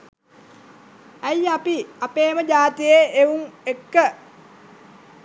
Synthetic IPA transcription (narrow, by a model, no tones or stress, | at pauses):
æjapiapeːməd͡ʒaːt̪ijeeuŋekːə